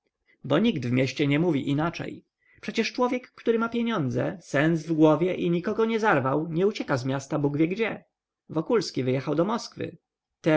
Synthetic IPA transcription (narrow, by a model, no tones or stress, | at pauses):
bɔɲiɡd̪vmʲɛɕt͡ɕɛɲɛmuvʲiʔinat͡ʂɛ̰j | pʂɛt͡ɕɛʂt͡ʂwɔvʲjɛkːt̪uɾɘmapʲjeɲɔnd̪zɛ̰sɛnsvɡwɔvʲjɛʔiɲikɔɡɔɲɛzaɾvawɲɛut͡ɕɛkazmʲjast̪abuɡvʲjɛɡd͡ʑɛ | vɔkulskʲivɘjɛxawd̪ɔmɔskfɘ̰ | t̪ɛ